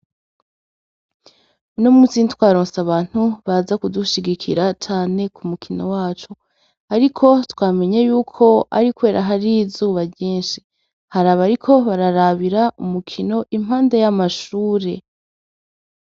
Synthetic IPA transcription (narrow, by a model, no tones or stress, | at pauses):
unomut͡siːntwaːɾoːnsaβaːn̥huβazakuduʃiɡikʰḭɾat͡ʃaːne̞kumukʰino̞waːt͡ʃo | aɾikʰo̞twaːme̞ɲejuːkʰo̞ʔa̰ɾikwe̞ːɾʔaɦaɾizuːβaɟiːnʃi̥ | haɾaβaɾikʰo̞βaɾaɾaβiɾaumukʰino̞ʔim̥haːnde̞jamaʃuːɾe̞